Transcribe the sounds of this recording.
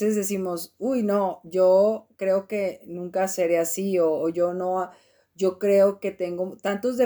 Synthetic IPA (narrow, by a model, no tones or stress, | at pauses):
ezðe̞simo̞sujnoʝo̞kɾe̞oke̞nũŋkaseɾeasioːʝo̞no̞a | ʝo̞kɾe̞oke̞t̪e̞ŋɡot̪ant̪o̞zðe